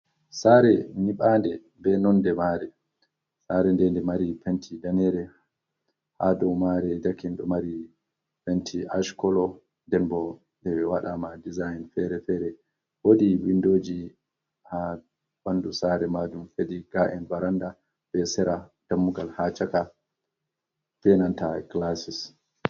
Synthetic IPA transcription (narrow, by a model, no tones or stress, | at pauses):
saɾɛniɓandɛ | bɛnɔndɛmaɾɛ | saɾɛndɛndɛmaɾipentʰidanɛɾɛ | ha̰dɔmaɾɛdakinɗɔmaɾi | pentʰiaʃkɔlɔ | ndɛnbɔ | ndɛwaɗamadizajnfɛɾɛfɛɾɛ | wodiwindoːd͡ʒi | ha | banːdusaɾɛmadumfediɡaʔɛnbaɾanda | bɛsɛɾad̥amːuɡalhat͡ʃaka | fɛnantaklasis